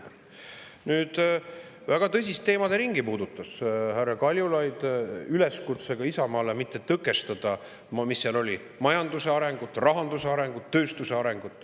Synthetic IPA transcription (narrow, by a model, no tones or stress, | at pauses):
nyːd̪̥ | væɡ̥ɑt̪ɤsʲist̪ːe̞ːmɑd̪eɾiŋɡipuːd̪̥ut̪ːˑɑshærːɑkɑlʲjulɑjd̪̥yle̞skut̪se̞ɡ̥ɑisɑmɑːlemit̪ːet̪ɤkːˑe̞st̪ɑd̪̥ɑ | mmisːɑlo̞li | mɑjɑnd̪use̞ɑɾe̞ŋɡ̥ut̪ːˑrɑɦɑnd̪use̞ɑɾe̞ŋɡ̥ut̪ːø̞ːst̪use̞ɑɾe̞ŋɡ̥ut̪ːˑ